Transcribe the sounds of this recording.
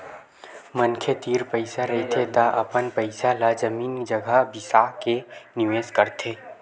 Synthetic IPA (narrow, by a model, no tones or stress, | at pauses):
mənkʰet̪iːɾpəɪsaɾɐɦt̪ʰet̪aʔɐpənpəɪsalazəmiːnd͡ʒɐɡəbɪsaːkenɪʋeːskəɾt̪ʰeː